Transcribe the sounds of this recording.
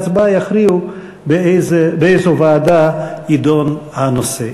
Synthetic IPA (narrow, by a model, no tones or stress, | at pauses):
t͡sbajaχɾiu | bezbeejzovaːd̪aid̪onhanose